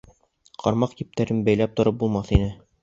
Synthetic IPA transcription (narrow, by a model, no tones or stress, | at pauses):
qʰɑɾmɑqk̪ip̚t̪æɾɘnbæjlæp̚t̪ŏɾɤp̚bulˠmɑθinɘ